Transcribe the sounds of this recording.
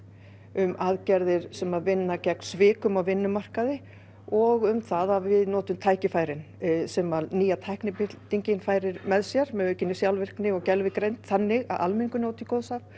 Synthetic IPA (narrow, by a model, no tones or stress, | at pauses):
ʏmaðcɛɾðɪɾ̥sɛmaðvɪnːacɛknsvɪːkʏmawvɪnːʏmar̥kaðɪ | ɔɣʏmθaðavɪðnɔːt̪ʏmt̪ʰaːjcɪfaːjɾɪn | sɛmaðniːjat̪ʰajhknɪpɪt̪iɲcɪnfaːjɾɪɾmɛðsjɛɾmɛðœːɥcɪnːɪsjawlvɪr̥knɪɔɣcɛlvɪkɾejnt̪θanːɪɣa̰ðʔa̰lmɪŋkʏnoːwt̪ikoːwðsaf